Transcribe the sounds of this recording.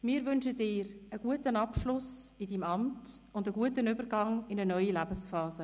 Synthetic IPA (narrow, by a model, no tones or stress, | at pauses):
mɪːɾʋʏnʃədɪːɾəɡ̥uətənɑpʃlʊsɪdiːmɑmt | ʊndəɡuətənʏbəɾɡɑŋɪnənœʏjilæbəsfɑːzə